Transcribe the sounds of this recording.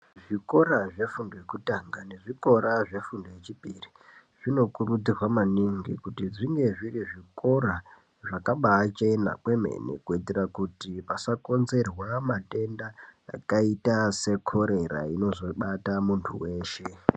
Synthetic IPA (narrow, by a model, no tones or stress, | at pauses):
ʐiko̞ɾaʐe̞fundojekutaŋɡane̞ʐiko̞ɾaʐe̞fundojet͡ʃipiri | ʐ̥ino̞kurud͡zirwamaniŋɡikutiʐiŋɡe̞ʐiriʐiko̞ɾa | ʐakaɓat͡ʃe̞na̰kwe̞me̞̰nḛkuiterakutipasako̞nze̞rwamate̞ndaːkaitase̞kʰo̞ɾe̞ɾa̰ino̞zo̞ɓatamuntʰuwe̞ːʃe̞